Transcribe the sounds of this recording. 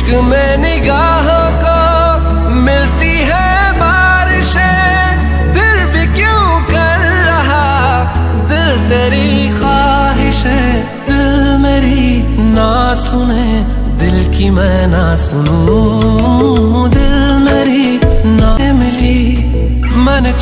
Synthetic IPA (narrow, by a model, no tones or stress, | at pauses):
k | mɛ̃ | nɪɡaːɦõ | ko | mɪlt̪iɦɛ | baː | ɾɪʃe | bʰɪɾbʱikjũː | kɐɾːɐɦa | d̪ɪlt̪eɾi | xaː | ɦɪʃɦɛ | d̪ɪlmeːɾi | na | sʊne | d̪ɪlkimɛ̃ːna | sʊnũ | d̪ɪllmeːɾi | na | mɪli | mɛːne